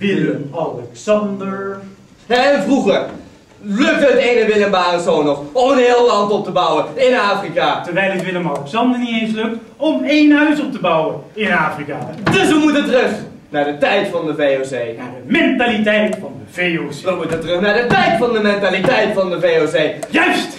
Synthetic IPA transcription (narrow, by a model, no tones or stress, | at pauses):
ʋɪəmɑlɛksɑndəɹ | ɦɛnvruχəɹ | lɵk̚tətejnəʋɪləmbaːrəzownɔχɔmənɦeːlˠlɑntɔp̚təbʌwəɪnaːfrikatəɹʋɛjlˠətʋɪləmɑlɛksɑndəɹnitejnsløk̚t | ɔmejnɦœɥsɔp̚təbʌwəɪnaːfrikaːdɵsʋəmutətrɵχ | naːɹdətɛjtfɑndəvejozejnaːɹdəmɛntalitɛjtfɑndəvejosəmutətrɵχnaːɹdətɛjtfɑndəmɛntalitɛjtfɑndəvejozejjœɥst